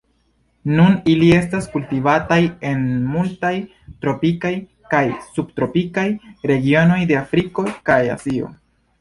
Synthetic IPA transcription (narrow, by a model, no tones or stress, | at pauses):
nunilie̞staskultivataje̞nmultaj | tɾo̞pikaj | kajsub̚tɾo̞pikajɾe̞ɡio̞no̞jde̞afɾiko̞kaja̰sio̞̰